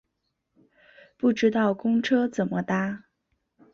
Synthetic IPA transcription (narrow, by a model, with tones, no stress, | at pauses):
pu˥˩ʈ͡ʂɻ̩˥t̪ɑ˥˩ʊkʊ˥ŋʈ͡ʂʰɤ˥t͡sə˨˩nmə˦t̪a˥